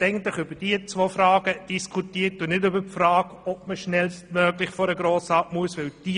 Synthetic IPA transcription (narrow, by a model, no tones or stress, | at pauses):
ɛɪɡntlɪχʏb̥əd̥iət͡sʋofɾɑːɡəd̥iskʰutiːət̚ːunɪdʏbəpfɾɑːɡɔp̚məʃnɛlst̚mœːɡlɪχfɔɾəɡɾoːsɑtmuəsʋɪld̥i